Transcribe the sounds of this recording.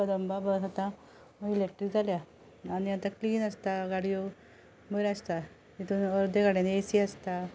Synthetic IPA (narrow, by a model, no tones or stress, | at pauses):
əd̪əmbabəɦat̪a | məilek̚ʈɾikd͡zʱalja | aniat̪akliːnəst̪aɡaɽijo | məɾəst̪a | t̪it̪uːnəɾd̪eɡaɽenesiəst̪a